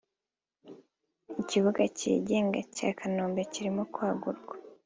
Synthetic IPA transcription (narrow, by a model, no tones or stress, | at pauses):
iciβuɡacḭːɟe̞ːŋɡaca̰ːkʰanoːmbeciɾimokwaːɡuɾɡwḁ